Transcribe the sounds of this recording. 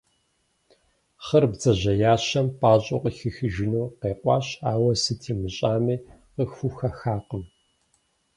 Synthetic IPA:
χɐrbzɐʑɐjaːɕɐmpʼaːɕʼoqəxɨxɨʒɪnuːqeːqʷʼɑːɕaːwɐsɨtʰiːmɨɕʼaːmiːqəxxuxɐxaːqəm

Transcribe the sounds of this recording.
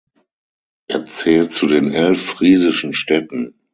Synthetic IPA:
ʔeːɐt͡sɛːlt̚t͡sudeːnʔɛlfʁ̥iːzɪʃn̩ʃtɛtn̩

